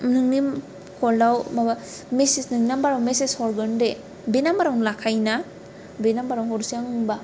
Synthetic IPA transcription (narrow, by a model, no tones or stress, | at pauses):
nɯŋni | kʰɔldawmaba | mesisnɯŋnambaɾawmesesɔɾɡɯnde | benambaɾawnlakʰajna | benambaɾawɦɔɾsaŋɯŋba